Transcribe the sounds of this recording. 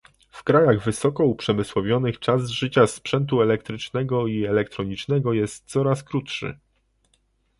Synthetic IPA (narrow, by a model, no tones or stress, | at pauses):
fkɾajaɣvɘsɔkɔupʂɛmɘswɔvʲjɔnɘxt͡ʂazʐɘt͡ɕaspʂɛnt̪uɛlɛkt̪ɾɘt͡ʂnɛɡɔiɛlɛkt̪ɾɔɲit͡ʂnɛɡɔjɛst̪̚t̪sɔɾaskɾut̪ʂɘ̰